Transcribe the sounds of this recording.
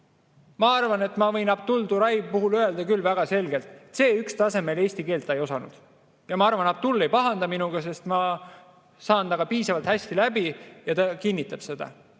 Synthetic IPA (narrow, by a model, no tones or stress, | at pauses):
mɑɑrvɑne̞t̪ːˑmɑvɤjnɑb̚t̪uld̪uɾɑjb̚puɦuløe̞ld̪̥ɑkylːvæɡ̥ɑse̞lɡe̞lt̪ˑet̪se̞ːykst̪ɑse̞me̞le̞ːsʲt̪ike̞ːlt̪ˑːɑejo̞sɑnṵd̪̥ | jɑmɑɑrvɑnɑp̚t̪ulːejpɑɦɑnd̪ɑminuɡ̥ɑs̬e̞st̪mɑ | sɑːnt̪ɑɡ̥ɑpiːsɑvɑlt̪hæsʲt̪ilæbijɑt̪ɑkinʲːit̪ːˑɑb̥se̞d̪̥ɑ̰